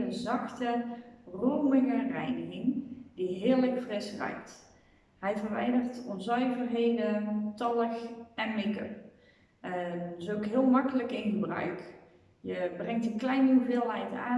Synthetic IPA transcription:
əzɑxtərowmɪŋərɛjnəɣɪŋdiɦɪːɹləkfrɪsrœ̰jk̚t | hɛjfərʋɛ̰jdərtɔnzœɥvərɦejdətɑlˠəxɛnmɪkə̰ | sokɦɪəlˠmakələkɪnɣəbrœ̰ɥk | jəbrɛŋktəklɛjnuvɪːlˠɦɛjta̰ː

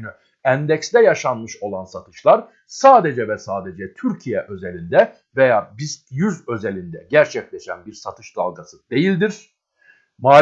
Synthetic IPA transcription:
ny | ænd̪ɛcst̪ɛjaʃanmɯʃo̞lˠansat̪ʰɯ̥ʃlˠaɾ | saːd̪ed͡ʒɛvɛsaːd̪ed͡ʒɛt̪ʰyɾcʰijɛʔø̞zelʲind̪ɛ | vejaːbizjyzø̞zelʲind̪ɛ̰ɟæɾt͡ʃʰɛclʲɛʃæ̰nbiɾsat̪ʰɯʃd̪̥a̰lˠɡasɯd̪e̞jilʲd̪iɾ̥ | maː

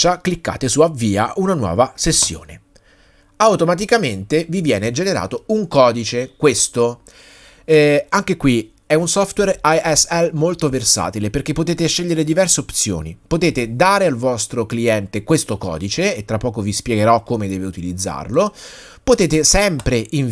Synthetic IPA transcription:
t͡ʃaklikːa̰ːt̪esuavːiːa̰ʔunanwɔ̰ːvasesːjo̰ːne | awt̪omat̪̬ikament̪evivjɛːned͡ʒeneɾa̰ːt̪ouŋkɔːd̪it͡ʃekwest̪o | ɛaŋk̟ekwi | ɛunsɔft̪werajɛsɛlmolt̪oversa̰ːt̪ileperk̟epːot̪eːt̪eʃːeʎːeɾed̪ivɛrseopt̪sjo̰ːnipot̪eːt̪ed̪aːɾealvɔst̪ɾokliɛnt̪ekwest̪okɔ̰ːd̪it͡ʃeːt̪ːɾapːɔːkovispjɛɡeɾɔkːomed̪ɛːveut̪ilid̪zːa̰rlo | pot̪eːt̪esɛmpɾeʔiɱ

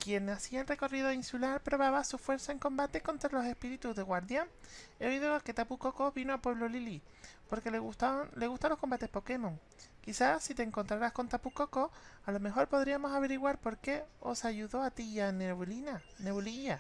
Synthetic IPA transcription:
kje̞nːasiaelre̞ko̞riðoinsulaɾpɾo̞βaβasufwe̞ɾsaeŋkõ̞mbat̪e̞ko̞nt̪ɾalo̞se̞spiɾit̪uzðe̞ɣwaɾðjaŋe̞o̞iðo̞ke̞t̪apuko̞ko̞βinoapwe̞β̞lolili | po̞ɾkeleut̪ale̞ɣust̪anlo̞ko̞mbat̪e̞hpo̞ke̞mõ̞ŋ | kiθasit̪eːŋko̞nt̪ɾaɾasko̞nt̪apukoko̞alo̞me̞xo̞ɾpo̞ðɾiamo̞saβe̞ɾiɣwaɾpo̞ɾke̞o̞̰saʝuðo̞at̪ianelina | neβuliʝa

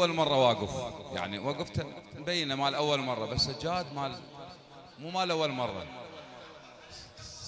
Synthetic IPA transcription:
almɑrˤːɑwaːɡɪfja̰ʕniwaɡɪft̪nbajːɪnamaːlʔawːalmɑrˤːɑbasːad͡ʒːaːd̪maːl | muːmaːlʔawːalmɑrˤːɑ̰

